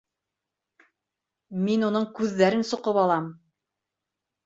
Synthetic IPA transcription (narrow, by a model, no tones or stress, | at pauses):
minunɤɴkʉðːæɾɘnsŏqɤpɑlˠɑm